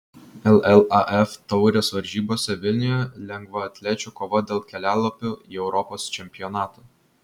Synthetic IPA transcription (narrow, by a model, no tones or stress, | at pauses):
ɛlˠɛlˠɑʔɛft̪ɒʊɾʲoːsʋɐɾʲʒʲiːboːsʲɛʋʲɪlʲnʲʊjɛlʲɛŋɡʋɐɐt̪ʲlʲeːt͡ʃʲukoːʋod̪ʲeːlˠkʲɛlʲæːlˠɐpʲʊːiɛʊɾɔpoːst͡ʃʲɛmʲpʲɪjɔnɑːt̪oː